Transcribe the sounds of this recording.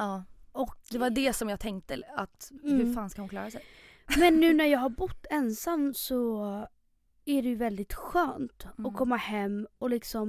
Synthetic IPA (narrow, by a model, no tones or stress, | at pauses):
ɑːɔkd̪ɛvaɖɛsɔmjaːt̪ʰɛŋkt̪əat̪ːhɵfaːnskahʊnklɑ̰ːɾasɛj | mmɛnːʉ̟ːnæɾjɑːɡɦaɾbʊt̪ːɛnsamːsɔ | æɖɛjɵvɛld̪ɪt̪ɧœːnt̪ɔkʰɔmːahɛmːɔlɪksɔm